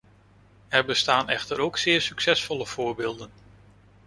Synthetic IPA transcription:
ɛɹbəstaːnɛ̰χtəɾowksɪːɹsyksɛsfɔləv̥ʊːɹbɪːlˠdən

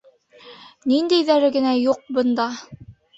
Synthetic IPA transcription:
nind̪æjðæɾɘɡɘ̆næjuq̚bɤ̆nd̪ɑ

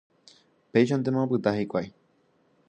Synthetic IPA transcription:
peiʃ̬ãnt̪emõãpɨt̪ahikʷaj

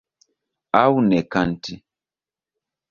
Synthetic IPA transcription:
awunɛkanti

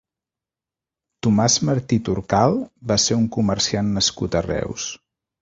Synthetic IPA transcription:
t̪umazməɾt̪it̪uɾkalˠbaseuŋkuməɾsianːəskut̪ərɛ̰ws

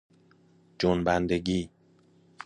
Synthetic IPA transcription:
d͡ʒonbænd̪eɟiː

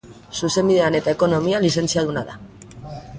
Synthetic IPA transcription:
suse̞mbiðe̞ane̞t̪aeko̞no̞mialis̬e̞nt͡siað̞unaða̰

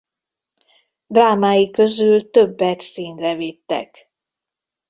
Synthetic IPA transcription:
d̪raːmaːjikø̞zylt̪ø̞bːɛt̪siːnrɛvit̪ːɛ̰k

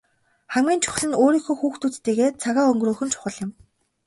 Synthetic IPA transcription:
χæmɡʲiːnt͡ɕʰʊ̥χ̆ɮɘ̆noːɾiːŋxoːxuːxt̪ut͡st̪eːɣeːt͡sʰaɣaːɵŋɡruːxɵ̆nt͡ɕʰʊ̥χə̆ɮɪ̆m

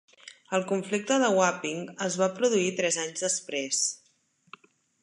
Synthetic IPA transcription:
əlˠkuɱflik̚t̪əðəwapiŋəzβapɾuðuit̪ɾɛzaɲzðəspɾes

